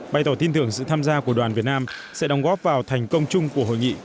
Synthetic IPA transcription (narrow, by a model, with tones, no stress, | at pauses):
ɓa˧jt̪ɔ˨˧˩t̪i˧nt̪ɨ˨˧˩əŋsɨ̰˧˨t̪ʰaː˧mzaː˧ku˧˩əɗwaː˨˩nvi˨˩ət̚naː˧msɛ̰˧˥ɗɔ˨˦wŋ͡mɣɔ˦˥p̚vaː˨˩wt̪ʰa˨˩jŋ̟kə˧wŋ͡mt͡ɕʊ˧ŋ͡mku˧˩əɦo̰˧˨jŋḭ˧˨